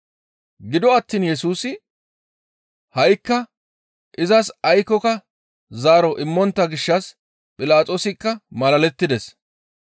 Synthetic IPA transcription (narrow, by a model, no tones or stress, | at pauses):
ɡɪd̪ɔɐt̪ːiːnjɛsuːsɪ | hɐjkːɐ | ʔɪzɐsɐjkːɔkɐ | zaːɾɔʔɪmːɔnt̪ːɐɡɪʃːɐs | pʼɪlaːt͡sʼo̞ːsɪkːɐmɐlɐlɛt̪ːɪd̪ɛs